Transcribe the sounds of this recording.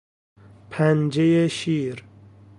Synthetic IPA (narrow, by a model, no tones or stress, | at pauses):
pʰænd͡ʒejeʃiːɾ